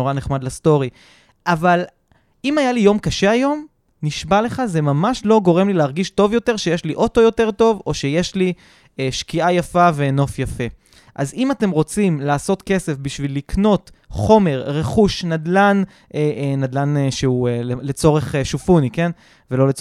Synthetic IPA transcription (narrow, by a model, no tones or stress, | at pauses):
oʁaneχmadlasto̞ʁi | ʔaval | imajalijo̞mkaʃeajo̞m | niʃbale̞χaze̞mamaʃlo̞ɡo̞ʁe̞mlileːʁɡiʃto̞vjo̞te̞ʁʃejeʃliʔo̞to̞jo̞te̞ʁto̞vo̞ʃeje̞ʃli | ʃkiajafave̞no̞fjafe̞ | ʔazimate̞mʁo̞t͡simlaːso̞t̪ke̞se̞fbiʃvilːikno̞t | χo̞me̞ʁʁe̞χuʃnadlan | enad̪lanʃeueele̞t͡so̞ʁeχeʃufunike̞n | velo̞let͡s